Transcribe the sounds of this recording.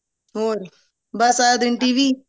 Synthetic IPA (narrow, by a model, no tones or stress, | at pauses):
oːɾ | bɐsaːd̪ɪɳʈiːʋi